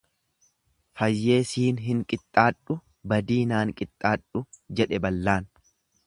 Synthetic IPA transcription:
fɐjːe̞ːsiːnɦɪŋkʼɪt̪ʼːaːᶑʊ | bɐd̪iːnaːŋkʼɪt̪ʼːaːᶑʊd͡ʒɛᶑɛbɐlːaːn

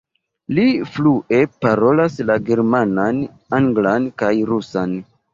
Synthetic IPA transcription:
lifluʔe̞paɾo̞laslaɡe̞ɾmanan | aŋɡlankajɾusan

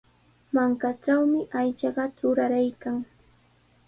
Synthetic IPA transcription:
maŋkaʈ͡ʂawmɪʔajt͡ʃɑɢɑt͡sʊɾaɾajkaŋ

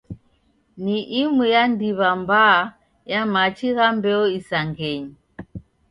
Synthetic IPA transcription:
niʔimujandiβamba | jamat͡ʃiɣambɛɔisaŋɡɛɲi

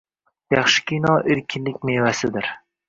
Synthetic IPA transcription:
jɑχʃɪ̥kʲʰinɒʔeɾkʲʰɪnlɪk̚ʲmevasɪd̪ɪɾ

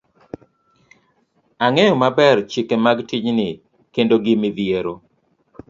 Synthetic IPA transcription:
aŋɛjɔmabɛrt͡ʃikemaɡtiɲnɪ | kendoɡɪmɪðieɾo

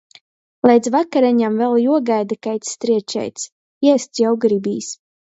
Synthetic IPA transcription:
lˠʲɛjd̪zvakaɾaɲamvɛlˠjuɔɡajd̪akajt̪st̪ɾiɛt͡ʃɛ̰jt̪s | jɛst̪sjawɡɾibḭːs

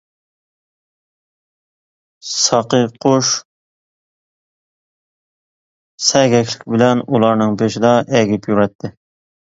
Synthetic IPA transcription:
sɑqəqʰoʃ | sɛɡʲɛkʰʲlɪkʲbɪlɛnulˠɑɾnɨŋbeʃɪd̪ɑʔɛɡʲipʰjuɾɛt̪ʰːɪ

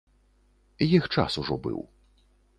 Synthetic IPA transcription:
jixt͡ʂa̰suʐɔbɨ̰w

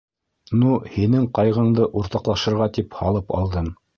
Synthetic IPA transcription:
nuhinɘŋqɑjʁɤ̆ɴd̪ɤʔuɾt̪ɑqlˠɑʃɤ̆ɾʁɑt̪iphɑlˠɤpɑ̰lˠd̪ɤɴ

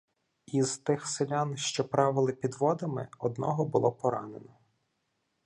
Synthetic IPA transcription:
iz̥t̪ɪxselʲanʃt͡ʃɔpɾɑʋɪlˠɪpʲid̪ʋɔd̪ɐmɪ̰ɔd̪nɔ̰ɦɔbʊlˠɔpɔɾɑnenɔ

